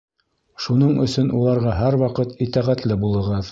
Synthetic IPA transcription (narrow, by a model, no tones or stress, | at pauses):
ʃunɤɴɵ̆sɵnʔulˠɑɾʁɑɦæɾwɑqɤt̪it̪æʁæt̪lɘbulˠɤ̆ʁɤð